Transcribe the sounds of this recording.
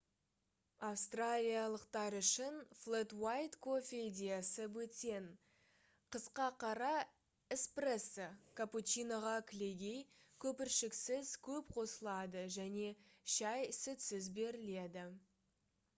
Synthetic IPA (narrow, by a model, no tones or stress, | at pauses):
ɑfst̪ralʲijalˠəqt̪ɑɾʏʃɪnflˠet̪wajt̪kʰofʲed̪ʲijasəwɵt̪e̞n | qʰəsqɑqʰɑɾɑ | ɪspre̞sːəkʰaput͡ʃijnaʁɑkʲʰɪle̞ɡʲe̞jkʲʰɵpɪɾʃɪksɪzkʲʰɵpqʰo̞səlˠɑd̪əʒæne̞ʃɑjsɪt̪sɪzbe̞ɾɪle̞d̪ɪ